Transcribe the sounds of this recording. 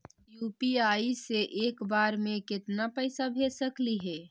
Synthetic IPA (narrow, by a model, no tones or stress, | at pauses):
jupiaiseʔekbaɾmekɪt̪napəɪsabʱesəkliɦɛ